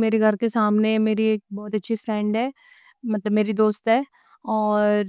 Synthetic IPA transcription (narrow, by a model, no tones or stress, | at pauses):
meːɾeɡʱɐɾkesaːmnemeːɾieːk̚bɔːt̪ɐtːʃʰifɾɛ̃ːɳɖɦɛː | mɐt̪ləbmeːɾid̪oːst̪ɦɛː | ɔːɾɾ